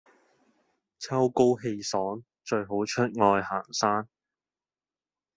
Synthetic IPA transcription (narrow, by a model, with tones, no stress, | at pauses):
t͡sʰɐ˥wko˥wɦe˧jsɔː˨˥ŋ | t͡ʃɵ˧ɥɦo˨˥wt͡ʃʰɵ˥t̚ŋɔː˧jha̰ː˨˩ŋsaː˥n